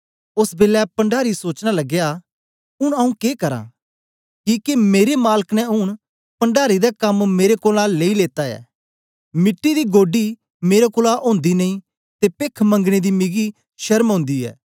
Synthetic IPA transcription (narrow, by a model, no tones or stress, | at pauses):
ʊsbeːlɛpɐ̃ɳɖaːɾisoːt͡ʃñalɐɡja | ʊɽ̃ɐũkeːkɐɾã̰ | kiːkemeːɾemaːləknɛ̃ʊɽ̃ | pɐɳɖaːɾid̪akɐmmeːɾekoːlãleːileːt̪aɛ̰ː | mɪʈːid̪iɡoːɖi | meːɾakʊːlaʔõːnd̪inɐĩ | t̪epeːkʰmɐ̃ŋɡɽ̃ed̪imɪɡi | ʃɐɾmɦõːnd̪iɛ̰ː